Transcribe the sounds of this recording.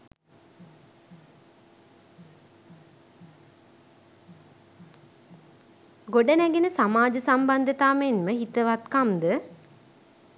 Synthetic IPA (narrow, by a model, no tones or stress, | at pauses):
ɡoɖənæɡenəsamaːd͡ʒəsamband̪ət̪amenməɦit̪əʋat̪kamd̪ə